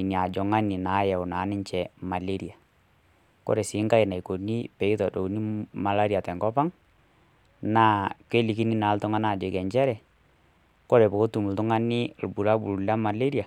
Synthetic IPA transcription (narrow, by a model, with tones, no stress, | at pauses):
ni˨a˨d͡ʒɔ˨ŋa˦nɪ˨na˨˦jɛ˨ʊ˨naː˨˦nɪ˦ɲt͡ʃɛ˨ma˨le˦ɾi˨a˨ | kɔ̰˦ɾɛ˨sɪ˨˦ŋka˦i˨na˨i˨ko˨ni˦pɛ˨i˦tɔ˨do˨u˦ni˦ma˨la˦ɾi˨a˨tɛ˨ŋkɔ˦pa˦ŋ | na˦ke˦li˨ki˦ni˦naː˨˦ltʊ˦ŋa˦na˨d͡ʒɔ˨kɛ˨ɲt͡ʃɛ˦ɾɛ˨ | kɔ˦ɾɛ˨bɔ˨ko˦tu˨mu˨ltʊ˦ŋa˦nɪ˦˨lbu˨la˦bu˨lla˦ma˨le˦ɾi˦a˨